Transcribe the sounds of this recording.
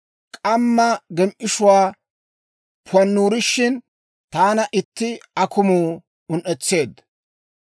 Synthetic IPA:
kʼɐmːɐɡɛmʔɪʃʊwaː | pʊɐnːuːɾɪʃːɪn | t̪aːnɐʔɪt̪ːɪɐkʊmuː | ʊnʔɛt͡sːe̞ːd̪

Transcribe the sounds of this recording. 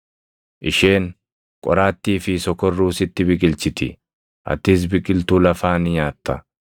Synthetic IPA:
ʔɪʃeːŋ | kʼɔ̰ɾaːt̪ːiːfɪsɔkɔrːuːsɪt̪ːɪbɪkʼɪlt͡ʃɪt̪ɪ̰ | ʔɐ̰t̪ːɪs̬bɪkʼɪlt̪uːlɐfaːnɪɲaːt̪ːɐ

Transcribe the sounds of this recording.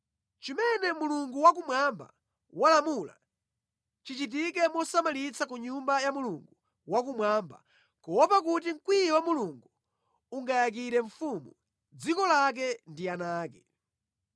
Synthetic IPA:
t͡ʃimɛnɛmuluŋɡuwakumwamba̰ | walamula̰ | t͡ʃit͡ʃit̬ik̬ɛmɔsamalit͡sak̬uɲumbajamuluŋɡu | wakumwamba̰ | kɔwɔpak̬ut̬iŋ̩kwijɛwamuluŋɡu | uŋɡajak̬iɾɛɱfumu | d͡zikɔlak̬ɛndianaːkɛ

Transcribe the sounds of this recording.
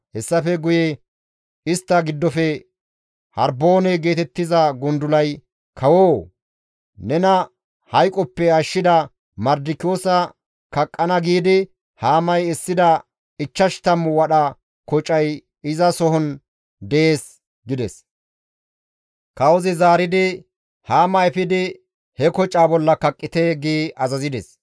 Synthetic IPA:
hɛsːɐfɛɡʊjɛ | ɪst̪ːɐɡɪd̪ːɔfɛ | hɐɾbo̞ːnɛɡe̞ːt̪ɛt̪ːɪzɐɡʊnd̪ʊlɐj | kʰɐwoː | nɛnɐ | hɐjkʼɔpːɛɐʃːɪd̪ɐ | mɐɾd̪ɪkɪjo̞ːsɐ | kɐkʼːɐnɐɡiːd̪ɪ | haːmɐjɛsːɪd̪ɐ | ɪt͡ʃːɐʃt̪ɐmːʊwɐɗɐ | kɔt͡ʃʼɐj | ɪzɐsɔɦɔn | d̪ɛʔeːs | ɡɪd̪ɛs | kɐwɔzɪzaːɾɪd̪ɪ | haːmɐɛfɪd̪ɪ | hɛkɔt͡ʃʼːaːbɔlːɐkɐkʼːɪt̪eːɡiːɐzɐzɪd̪ɛs

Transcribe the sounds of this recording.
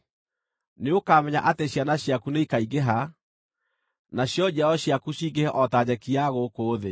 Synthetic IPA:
neokamɛɲa̰ʔateɕjanaɕjakuneikaiɡeɦa | naɕjɔd͡ʑɛɔɕjakuɕiɡehɛʔɔtad͡ʑɛkiaɣokoːðe

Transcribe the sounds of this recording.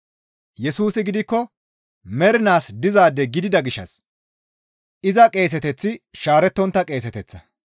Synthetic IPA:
jɛsuːsɪɡɪd̪ɪkːɔ | mɛɾɪnaːsd̪ɪzaːd̪ːɛɡɪd̪ɪd̪ɐɡɪʃːɐ̰s | ʔɪzɐkʼe̞ːs̬ɛt̪ɛt͡sːɪʃaːɾɛt̪ːɔnt̪ːɐkʼe̞ːsɛt̪ɛt͡sːɐ

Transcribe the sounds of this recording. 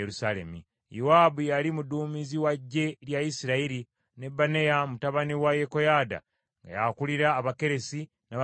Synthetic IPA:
eɾusale̞̰mḭ | juwaːbujalimuduːmiziwaɟːe̞ljajisiɾaiɾi | ne̞bːane̞jamutaβaniwajeko̞jaːda̰ | ŋɡa̰jakuliɾaːβake̞ɾe̞si | na

